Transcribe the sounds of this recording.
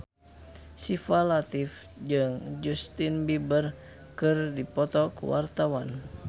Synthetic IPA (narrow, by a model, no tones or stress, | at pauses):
sifalat̪if | d͡ʒɨŋd͡ʒust̪inbibər | kɨrdipɔt̪ɔkṵwa̰rt̪awan